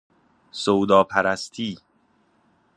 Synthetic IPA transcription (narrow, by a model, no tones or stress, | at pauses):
sowd̪ɒːpʰæɾæst̪ʰiː